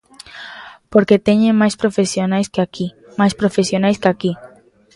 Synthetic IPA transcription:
poɾket̪eɲemajspɾofesjonajskaki | majspɾofesjonajskaki

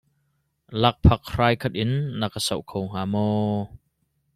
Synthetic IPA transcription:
lɐk̚pʰɐk̚raːjkʰɐt̪̚ʔɪnːɐkasɐ̰wʔkʰowŋ̥aːmɔ

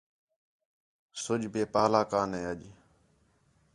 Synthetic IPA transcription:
sʊʄbeːpaːlaːkaːneːəʄ

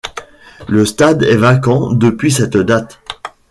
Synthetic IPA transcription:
ləst̪ad̪ɛvakɑ̃d̪əpɥisɛt̪d̪at̪

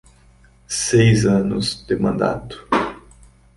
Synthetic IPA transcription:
sejzɐ̃nʊ̰zd̪ɪmɐ̃nd̪a̰t̪ʊ̥

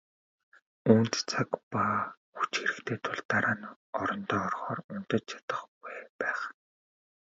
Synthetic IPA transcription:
uːnt̪t͡sʰakpaxut͡ɕxeɾɘ̆kt̪ʰeːt̪ʰʊɮt̪aɾaːn | ɔɾɞ̆nt̪ɔːɔrχɔːrʊnt̪ə̆t͡ɕt͡ɕʰat̪ə̆χkæːpæːχ

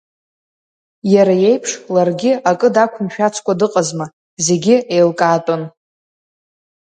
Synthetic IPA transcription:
jaɾaje̞jpʰʂlarɡʲɪakʼɨdakʷʰʊmʃᶣat͡sʰkʷʼadɨqʼazma | ze̞ɡʲɪejlkʼaːtʼon

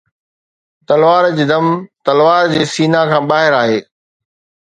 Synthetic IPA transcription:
t̪ɐlʋaːɾd͡ʑɪd̪ɐmt̪ɐlʋaːɾd͡ʑeːsiːnakʰãːɓaːɦɪɾaːɦeː

